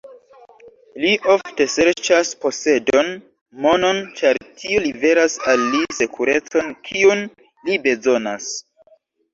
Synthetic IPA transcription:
liʔo̞fte̞se̞ɾt͡ʃaspo̞se̞do̞n | mo̞no̞nt͡ʃaɾtʰiolive̞ɾasalːise̞kʰuɾe̞t͡so̞nkʰiun | libe̞zo̞nas

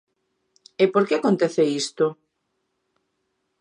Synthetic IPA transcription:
epoɾkeakont̪eθeist̪o

